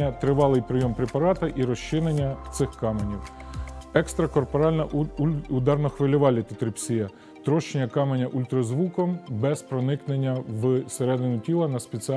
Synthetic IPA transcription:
ɐt̪ɾɪʋɑlˠɪjpɾɪjɔmpɾʲepɐɾɑt̪ɐʔiɾɔʃt͡ʃɪnenʲːɐt̪sɪxkɑmenʲiw | ɛkst̪ɾɐkɔrpɔɾɑlʲnɐʊd̪ɑrnɔxʋɪlʲʊʋɑlʲːit̪ɪt̪ɾɪpsʲijɐ | t̪ɾɔʃt͡ʃenʲːɐkɑmenʲɐʔʊlʲt̪ɾɔzʋukɔmbɛspɾɔnɪknenʲːɐʋseɾɛd̪ɪnʲʊtʲilˠɐnɐspʲet͡sʲi

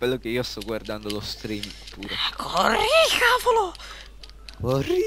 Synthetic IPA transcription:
kwelːokeiːost̪ɔɡward̪and̪olost̪ɾimpʰuːɾekʰorixavolo | kori

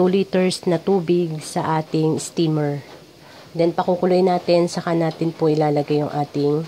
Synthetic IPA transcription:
tuːlit̪ɛɹsnɐt̪uːbɪɡsɐʔaːt̪ɪŋɪst̪iːmɛɹ | d̪ɛnpɐkukʊlʊʔɪnːaːt̪ɪnsɐkanaːt̪ɪnpoʔɪlaːlɐɡajʊŋʔaːt̪ɪŋ

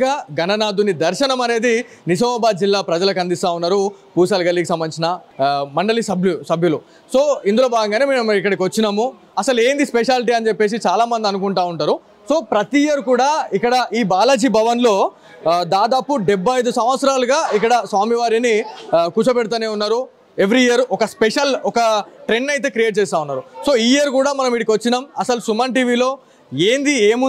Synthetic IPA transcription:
aːɡɐnɐnaːd̪unid̪ɐɾʃɐnɐmɐne̞ːd̪i | nid͡ʒɐmɐːbaːd̪̚d͡ʒilːaːpɾɐd͡ʒɐlɐkɐnd̪ist̪aːunːaːɾu | puːsɐːlɡɐlːiːkisɐmbɐnit͡ʃinɐmɐɳɖɐlisɐbʱjusɐbʱjulu | so̞ːind̪uloːbaːɡɐŋɡaːneːmeːmikːɐɽɐk̬iʋɐt͡ʃːinaːmu | ɐsɐle̞ːnd̪ispeʃaːliʈ̬iːɐnt͡ʃe̞pːe̞ːs̬it͡ʃaːlaːmɐnd̪iɐnukuɳʈaːuɳʈaːɾu | so̞ːpɾɐt̪iːjɐɾukuːɽaːikːɐɽɐʔiːbaːlɐd͡ʒibʱɐʋɐnlo̞ː | d̪aːd̪aːpuɖebʱːɐjd̪usɐmʋɐt̪sɐɾaːluɡaːik̬ːɐɽɐsʋaːmiʋaːɾinikuːt͡ʃɐpɛɽut̪̬aːneːunːaːɾu | e̞ʋɾiijɐɾɔkɐspeʂɐlɔkɐʈɾenːɐjt̪̬e̞ːkɾijeːʈ̚t͡ʃɛːst̪aːunːaːɾuso̞ːiːiɐɾkuːɽaːmɐnɐmiʈikʋɐt͡ʃːinaːmɐsɐlusumaːnʈiːʋiːlo̞ː | eːnd̪ieːmu

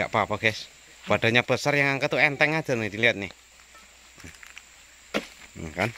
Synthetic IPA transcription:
a̰ʔpapaɡ̥ɛs | b̥aɖ̥a̤ɲab̥ə̤sarjaŋaŋkət̪uɛnt̪ɛŋḁʒ̥a̤ned̥̪iliat̪̚nɪ̰h | kan

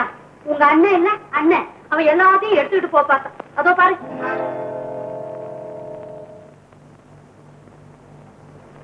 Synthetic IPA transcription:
ʊŋɡɐːɳːɛɛnːɛɐɳːɛ | ɐʋɐ̃ɛlːaːðɪjʊ̃ɛɽɯt̪ːɯkːɪʈːɯpoːpaːɾt̪ãːɐðoːpaːɾɯ̃

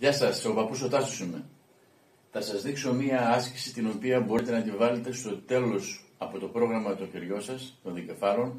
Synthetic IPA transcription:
ʝɐsɐso̞pɐpusot̪ɐsosumḛ | θɐsɐzðikso̞miɐɐsçisit̪ino̞piɐbo̞ɾit̪e̞nɐd̪ivɐle̞t̪e̞st̪o̞t̪e̞lo̞sɐpo̞t̪o̞pɾo̞ɣɾɐmɐt̪o̞çeɾʝo̞sɐst̪o̞nðice̞fɐɾo̞n

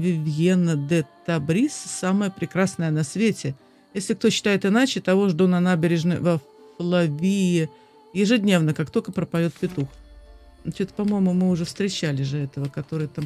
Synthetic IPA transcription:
vʲɪvʲjenəd̪ɛt̪ɐbɾʲissaməjəpɾʲɪkɾasnəjənɐsvʲetʲɪ | jesʲlʲɪk̚t̪oɕːɪ̥t̪ajɪt̪ɨnat͡ɕɪt̪ɐvo̞ʐd̪onɐnabʲɪɾʲɪʐnəjvə | flˠɐvʲijɪ | jɪʐɨdʲnʲe̞vnəkakt̪o̞lʲkəpɾəpɐjʲo̞t̪̚pʲɪt̪ux | t͡ɕut̪pɐmo̞jɪmʊmɨʊʐɛfst̪ɾʲɪt͡ɕːælʲɪʐɨɛt̪əvəkɐt̪o̞ɾɨjət̪am

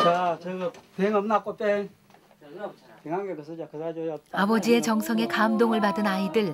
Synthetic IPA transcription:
t͡ɕat͡ɕɯɡpeŋʌmnak͈opeŋ | peŋaŋɡekɯsʰʌd͡ʑakɯsad͡ʑojɔtabʌd͡ʑie̞t͡ɕʌŋsʰʌŋe̞kamdoŋɯɭpadɯnaidɯɭ

